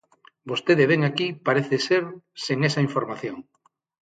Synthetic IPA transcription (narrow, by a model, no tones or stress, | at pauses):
bost̪eðeβeŋakipaɾeθeseɾseŋesɐiɱfoɾmaθjoŋ